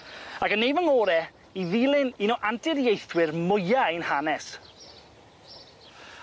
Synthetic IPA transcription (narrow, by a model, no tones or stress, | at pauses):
aɡənːejvəŋɔːɾɛ | iðiːlˠɪninɔʔantɪðjejθwɪrmʊjajnhanɛs